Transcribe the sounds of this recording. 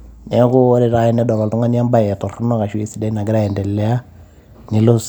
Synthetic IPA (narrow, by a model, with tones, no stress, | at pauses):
nɛ˦kʊ˦ɾɛ˦ɾa˦jɛ˦nɛ˦dɔ˨ɾɔ˨ltu˦ŋa˦nja˦mba˦jɛ˨tɔ˨rnɔ˦ka˨ʃwe˦si˦dɛ˦na˨ɡɪ˦ɾa˦jɛ˨ndɛ˨lːɛ˦a˦ | nɪ˨lo˦s